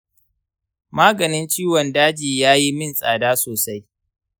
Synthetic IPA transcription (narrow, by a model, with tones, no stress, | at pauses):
maː˦ɡɐ˨nɪ˦nt͡ʃiː˦wɔ˨ndaː˦d͡ʒiː˨jaː˦ji˦mɪ˦nsʼa̰ː˨daː˦soː˨sa˦j